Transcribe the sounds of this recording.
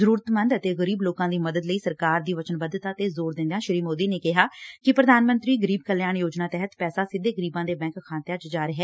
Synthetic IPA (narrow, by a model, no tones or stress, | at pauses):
zəɾuːɾət̪mə̃nd̪ət̪eːɣəɾiːbloːkãːd̪iːməd̪əd̪ləiːsəɾkaːɾd̪iːʋət͡ʃənbəd̪ət̪at̪eːzoːɾd̪ɪ̃nd̪jãːʃɪɾiːmoːd̪iːneːkɪɦaːkɪpɾəd̪aːnmə̃nt̪ɾiːɡəɾiːb̚kəljaːɳjoːd͡ʒnaːt̪ɛːɦət̪pɛːsaːsɪd̪eːɡəɾiːbãːd̪eːbɛ̃ːŋkkʰãːnt̪jaːt͡ʃd͡ʒaːɾɪɦɛː